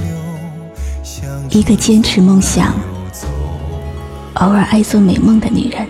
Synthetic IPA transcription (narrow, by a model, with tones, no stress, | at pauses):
i˧˥ɡə˧t͡ɕjɛ˥nʈ͡ʂʰɻ̩˧˥mɤ˥˧ŋɕjɑ̰˨˩ŋ | o˧˥ʊə˞˨˩ʔa˥ɪt͡swɔ˥me˨˩ɪmɤ˥˩ŋd̪ə˨ny̰˨˩ɻə˧˥n